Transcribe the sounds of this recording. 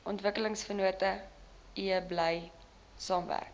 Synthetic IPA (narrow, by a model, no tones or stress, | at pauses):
ʔɔntvəkələŋsfənuətə | iəbləj | sɑːmvæ̰rk